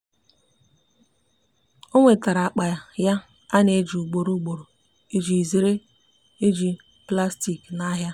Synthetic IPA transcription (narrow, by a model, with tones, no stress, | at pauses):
o˦ŋʷe˨ta˨ɾa˨a˨k͡pa˨ja˦ | a˦ne˦d͡ʒi˨u˨ɡ͡bo˨ɾu˦ɡ͡bo˨ɾo˨ | e˦d͡ʒi˨zi˨ɾe˦ | e˦d͡ʒi˨ | pla˦sti˨kna˦ɦja˦